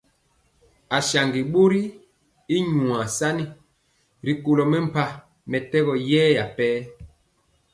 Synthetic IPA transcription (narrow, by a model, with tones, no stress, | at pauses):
a˨sa˨ŋɡi˨ɓo˦ɾi˦ | i˦ɲũ˨a˨sa˦ni˦ | ɾi˨ko˨lɔ˨mɛ˦m̩˨pa˨ | mɛ˨tɛ˦ɣɔ˨jɛː˦ja˨pɛː˦